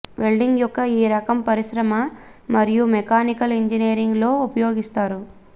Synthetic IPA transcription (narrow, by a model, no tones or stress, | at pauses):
ʋelɖiŋɡjɔkːɐiːɾɐkɐmpɐɾiʃɾɐmɐ | mɐɾijumekaːnikɐleɲd͡ʒinijːɾiŋɡlo̞ːupɐjo̞ːɡist̪aːɾu